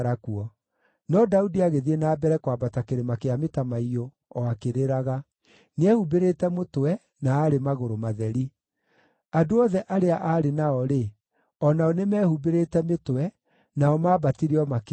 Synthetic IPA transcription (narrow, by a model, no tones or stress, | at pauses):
ɾakuɔ | nɔdaudiaɣeðienaːbɛɾɛkwabatakeɾemakeametamaio | ɔakeɾeɾaɣa | neɛhubeɾetɛmotwɛ | naːɾemaɣoɾomaðɛɾi | adoɔðɛʔaɾeaʔaɾenaɔɾe | ɔnaɔnemɛːhubeɾetɛmetwɛ | naɔmaːbatiɾeɔmak